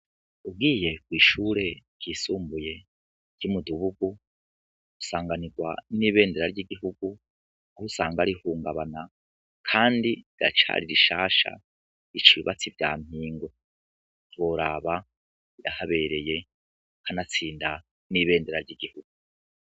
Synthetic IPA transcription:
ub̚ɡiːje̞kwiːʃuːɾe̞ɡiːsuːmbuje̞ | ɾɟ̥umuduβuɡu | u̥saːŋɡaniɡwaniːβe̞ːndeɾaɾɟiɡiɦuɡu | ahusaːŋɡaɾihuːŋɡaβana | kʰaːndiɡa̰t͡ʃa̰ɾiɾiʃaːʃa̰ | it͡ʃiβat͡sivja̰ːm̥hiːŋɡo̞ | twoɾaːβa | jahaβe̞ɾe̞je̞ | hanat͡siːnda | niβe̞ːnde̞ɾaɾɟiɡihuɡ̥u

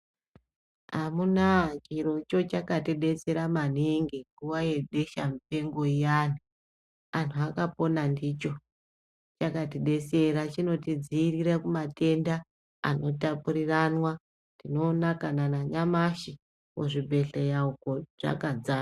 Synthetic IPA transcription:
ɦamunat͡ʃiɾo̞t͡ʃo̞t͡ʃakatiɗe̞se̞ɾaman̤iŋɡeŋɡuwaje̞ɗeʃamite̞ŋɡo̞ijaːni | antʰuakapo̞nandit͡ʃo̞ | t͡ʃakatiɗe̞se̞ɾat͡ʃino̞tid͡ziːriɾakumate̞nda̰ː | no̞tapuɾiranwa | ntino̞nakananaɲamaʃi | woʐibʱe̞ɬejaukoʐ̥a̰kad͡zaː

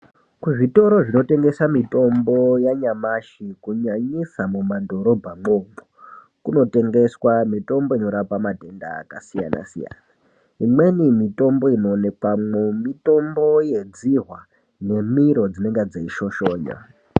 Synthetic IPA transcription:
kuʐito̞ɾoʐino̞te̞ŋɡe̞samito̞mbo̞jaɲamaʃikuɲaɲisamumando̞ɾo̞bʱaŋ͡ǃomo | kuno̞te̞ŋɡe̞swamito̞mbo̞ino̞ɾapamadʱenda̰ːkasija̰na̰sija̰na | ɦimwe̞nimito̞mbo̞ino̞ne̞kwamumito̞mbo̞je̞d͡ziɦwa | ne̞miɾo̞d͡zine̞ŋɡed͡zeiʃo̞ʃoːɲa̰

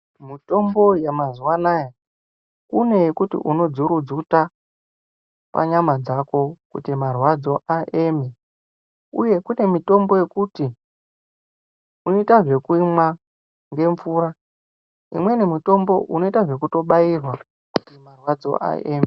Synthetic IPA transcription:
mito̞mbo̞jamazuwanaːja | kune̞jekutḭʔuno̞d͡zuɾud͡zuta | pa̰ɲamad͡zako̞kutimarwad͡zo̞ʔaʔeme | ṵje̞kune̞mito̞mbo̞je̞kuti | uno̞itaʐe̞kuimwa | ŋɡe̞ɱfuːɾa | ḭmwe̞nemito̞mbo̞̰ʔuno̞itaʐe̞kuto̞ɓairwa | kutimarwad͡zo̞̰ʔa̰ʔḛːme

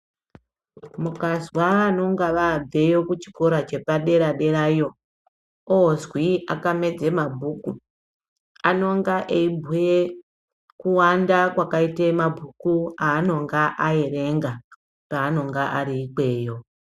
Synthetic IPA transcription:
mukazwaːno̞ŋɡaʋab͡ve̞jo̞kut͡ʃi̥koɾat͡ʃe̞paɗe̞ɾaɗe̞ɾaijo̞ | oozwiakame̞d͡ze̞mabʱuku | ano̞ŋɡaʔeibʱuje | kuwandakwakaitemabʱukuaːno̞ŋɡaʔaeɾe̞ŋɡa | paːno̞ŋɡaʔaɾiːke̞ːjo̞

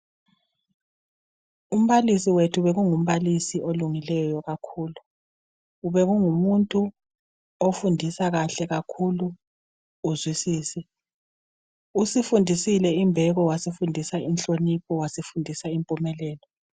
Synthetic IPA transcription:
um̩βalisiwetʰuβɛɣuŋum̩βalisiʔoluŋilɛjɔjɔɣakʰuːluː | βɛɣuŋumuntʼu | ofundʱisaɣaɬɛɣakʰuluː | zwisiːsi | usifundʱisilɛimbʱɛɣɔwasifundʱisainɬʼonipʰɔwasifundʱisaimpʼumɛlɛːlɔ

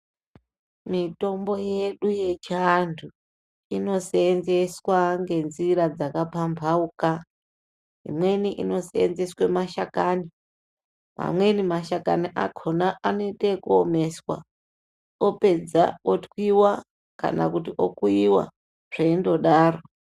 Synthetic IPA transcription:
mito̞mbo̞je̞ɗuje̞t͡ʃiantʰu | ino̞seːnzeswaŋɡe̞nziɾad͡zakapambʱauka | ḭmwe̞niʔino̞seḛnze̞swemaʃakani | ma̰mwe̞nimaʃakaniʔa̰kʰonaano̞itekuome̞swa̰ | ope̞d͡za̰otwiwa | ka̰na̰kutiʔokuiwa̰ | ʐ̥eindo̞ɗaːro̞

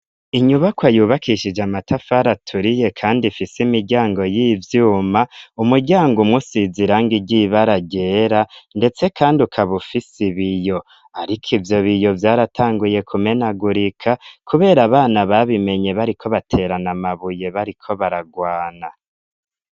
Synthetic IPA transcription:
iɲuβakwajuːβakʰiʃid͡ʒamatʰafaɾatʰuɾije̞kʰaːndifisimiɾɟaːŋɡo̞jiːvjuːmaumuɾɟaːŋɡumŋusiziɾaŋɡiɟiβaɾaɟe̞ːɾande̞t͡se̞kʰaːndiukʰaβufisiβijo̞ | aɾikʰivjo̞βijo̞vjaːɾatʰaːŋɡuje̞kʰume̞naɡuɾikʰakʰuβe̞ːɾaβaːnaβaβime̞ɲe̞βaɾikʰo̞βatʰe̞ːɾanamaβuje̞βaɾikʰo̞βaɾaɡwaːna

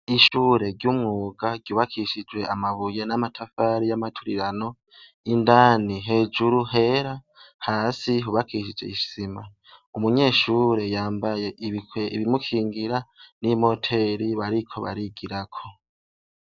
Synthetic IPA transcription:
iʃuːɾe̞ɾɟumŋuːɡaɟɟuːβakʰiʃid͡ʒwe̞amaβuje̞namatʰafaɾijamatʰuɾiɾano̞ | indaːniɦe̞ːd͡ʒuɾuɦe̞ɾa | haːsiɦuβakiʃ̬id͡ʒwe̞̰iʃsima | umuɲe̞ːʃuːɾe̞jaːmbaje̞ʔiβikeiβimukʰiːŋɡiɾanimo̞tʰe̞ɾiβaɾikʰo̞βa̰ɾiɡiɾakʰo̞

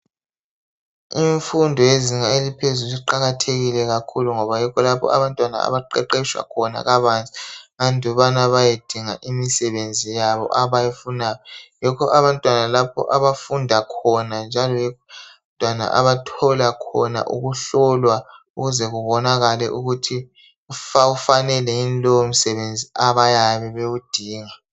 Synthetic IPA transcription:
iɱfundʱɔjeziŋaelipʰezuluiǃaɣatʰeɣilɛɣakʰuluŋɔβajɛkʰɔlapʰɔ̰a̰βantʼwana̰a̰βaǃɛǃɛʃwa̰kʰɔna̰ɣaβant͡sʼi̥ŋandʱɔβanaβajed̥ʱiŋaʔimisɛβend͡zʱijaβɔ̰ʔaβajefunaːjɔjɛkʰɔʔaβantʼwanalapʰɔ̰ʔaβafundʱakʰɔnand͡ʒʱalɔjɛk | tʼwana̰ʔa̰βatʰɔlakʰɔ̰na̰ʔṵɣuɬɔlwa | uɣuzɛɣuβɔnaɣalɛ̰ʔuɣutʰi | ufaufanɛlɛinlɔom̩sɛβend͡zʱiʔaβajaβɛβewud̥ʱiːŋa

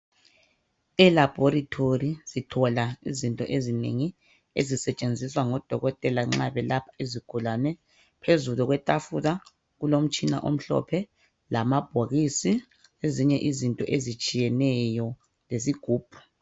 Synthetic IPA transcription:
ɛlab̥ʱoɾitʰorisitʰɔlaizintʼɔʔezinḛŋi | ezisɛt͡ʃʼend͡zʱiswaŋɔd̥ʱɔɣɔtʼɛlaŋ͡ǁaβɛlapʰḁeziɡ̥ʱulanɛ | pʰezuluɣwɛtʼafuða | ɣulom̩t͡ʃʼina̰ʔom̩ɬɔ̰pʰɛ | lamab̥ʱoɣisi | eziɲɛʔizintʼɔʔezit͡ʃʼijɛnɛjɔ | les̬iɡ̥ʱuːb̥̚ʱu̥

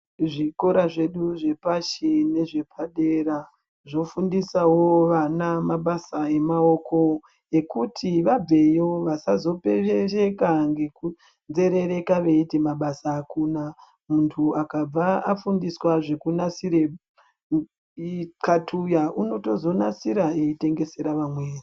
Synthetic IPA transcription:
ʐiko̞ɾaʐe̞ɗuʐe̞paʃine̞ʐe̞pʰaɗeɾa | ʐo̞fundisawoʋanamaɓasae̞maoko̞ | ekutʰiʋabe̞jo̞ʋasazo̞peerekaŋɡe̞ku | nze̞ɾe̞ɾe̞kaʋe̞itimaɓasaːkuːna | muntʰuakab͡vaafundiswaʐe̞kunasiɾe | katʰujaʔuno̞to̞zo̞nasiɾaeite̞ŋɡe̞se̞ɾaʋamweːri

